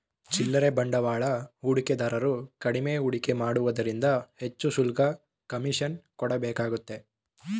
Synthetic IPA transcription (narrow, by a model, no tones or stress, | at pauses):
t͡ʃilːɐɾebɐɳɖɐʋaːɭɐuɽiked̪ɐɾɐɾukɐɽimeuɽike̞maːɽuʋɐd̪ɐɾind̪ɐhe̞t͡ʃːusulɡɐ | kɐmiʃɐnkɔɽɐbɛːkaːɡut̪ːe̞